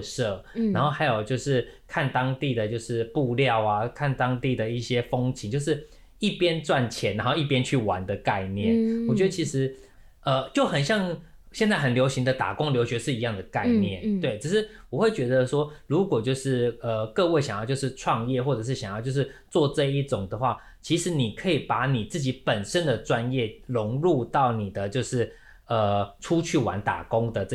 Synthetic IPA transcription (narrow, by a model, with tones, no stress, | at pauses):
ʂɤ˥˩na˧˥nxo˥˩xa˧˥ɪjo˨˩ʊt͡ɕjo˥˧ʊʂɻ̩˥˩˧kʰa˥˩nt̪ɑ˥ŋt̪i˥˩d̪ə˩t͡ɕjo˥˧ʊʂɻ̩˥˧pu˥˧ljɑ˥˨˩ʊa˨˩kʰa˥˩nt̪ɑ˥ŋt̪i˥˩d̪ə˩i˥˩ɕjɛ˥fɤ˥ŋt͡ɕʰi˧˦ŋt͡ɕjo˥˧ʊʂɻ̩˥˩ | i˥˩pjɛ˥nt͡swa˥˩nt͡ɕʰjɛ˨˧˥na˧˥nxo˥˧ʊi˥˩pjɛ˥nt͡ɕʰy˥˩wa̰˧˦nd̪ə˨ka˥˧ɪnjɛ̰˥˩nwɔ˨˩t͡ɕɥɛ˧˥d̪ə˧t͡ɕʰi˧˥ʂɻ̩˧˦˥ | ə˧t͡ɕjo˥˩ʊxə˨˩nɕjɑ˥˩ŋ | ɕjnt͡sa˥˩ɪxə˨˩nljo˧˥ʊɕi˧˥ŋd̪ə˨t̪a̰˨˩kʊ˥ŋljo˧˥ʊɕɥɛ˧˥ʂɻ̩˥˩i˧˥jɑ˥˩ŋd̪ə˩ka˥˧ɪnjɛ˥˨˩nt̪we˥˩ɪʈ͡ʂ̩ʰ˨˩ʂɻ̩˥˩wɔ˨˩xwe˥˩ɪt͡ɕɥɛ˧˥d̪ə˧ʂwɔ˥ɻu˧˥kwɔ˨˩t͡ɕjo˥˧ʊʂɻ̩˥˩ə˩kɤ˥˧we˥˩ɪɕɑ˨˩ŋjɑ˥˧ʊt͡ɕjo˥˧ʊʂɻ̩˥˧ʈ͡ʂʰwɑ˥˧ŋjɛ˥˧xwɔ˥˩ʈ͡ʂɤ˨˩ʂ̬ɻ̩˥˩ɕjɑ˨ŋjʊt͡ɕjʂɻ̩˥˩t͡swɔ˥˧ʈ͡ʂɤ˥˧i˥˩ʈ͡ʂʊ˨˩ŋd̪ə˩xwa˥˩ | t͡ɕʰi˧˥ʂɻ̩˧˥ni˨˩kʰɤ˧˥i˨˩pa˧˥ni˨˩t͡sɹ̩˥˩t͡ɕi˧˥pə˨˩nʂə˦nd̪ə˨ʈ͡ʂwa˦njɛ˥˩lʊ˧˦ŋɻu˥˧t̪ɑ˥˩ʊni˨˩d̪ə˦t͡ɕjo˥˧ʊʂɻ̩˥˩ | ə˩ʈ͡ʂʰu˥t͡ɕʰy˥˩wa̰˧˥nt̪a̰˨˩kʊ˦˥ŋd̪ə˨˥